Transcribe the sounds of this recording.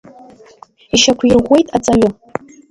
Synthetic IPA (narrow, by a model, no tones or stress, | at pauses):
iʃakʷʰjɪrʁʷːe̞jtʼat͡sʼaɥʊ